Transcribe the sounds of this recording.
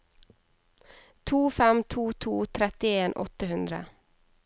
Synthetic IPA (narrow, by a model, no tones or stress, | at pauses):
t̪ʰuːfɛmt̪ʰuːt̪ʰuːt̪ʰɾɛt̪ɪeːnʔɔ̰t̪əhʉnd̪ɾə̰